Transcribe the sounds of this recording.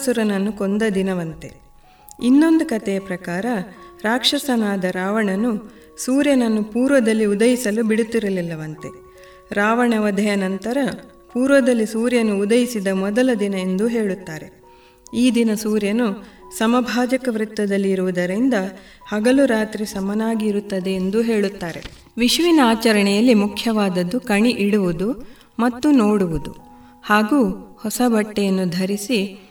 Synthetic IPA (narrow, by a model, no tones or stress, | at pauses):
suɾɐnɐnːukond̪ɐd̪inɐʋɐnt̪e̞̰ | inːo̞nd̪ukɐt̪ɛjɐpɾɐkaːɾɐɾaːkʂɐsɐnaːd̪ɐɾaːʋɐɳɐnːu | suːɾjɐnɐnːupuːɾʋɐd̪ɐlːiud̪ɐjisɐlubiɽut̪ːiɾɐlilːɐʋɐnt̪e̞̰ | ɾaːʋɐɳɐʋɐd̪ʱɐjɐnɐnt̪ɐɾɐ | puːɾʋɐd̪ɐlːisuːɾjɐnuːd̪ɐjisid̪ɐmɔd̪ɐlɐd̪inɐe̞nd̪uɦeːɭut̪ːaːɾe̞ | iːd̪inɐsuːɾjɐnusɐmɐbʱaːd͡ʒɐkɐʋɾit̪ːɐd̪ɐlːiːɾuʋud̪ɐɾind̪ɐ | hɐɡɐluɾaːt̪ɾisɐmɐnaːɡiːɾut̪ːɐd̪e̞ːnd̪uɦe̞ːɭut̪ːaːɾe̞̰ | ʋiʃʋinɐaːt͡ʃɐɾɐɳɛjɐlːimukʰjɐʋaːd̪ɐd̪ːukɐɳiʔiɽuʋud̪u | mɐt̪ːunoːɽuʋud̪u | haːɡuːhɔsɐbɐʈːɛjɐnːud̪ʱɐɾisi